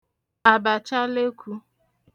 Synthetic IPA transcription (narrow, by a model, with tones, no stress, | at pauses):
a˨ba˨t͡ʃa˦le˦kʷʰu˦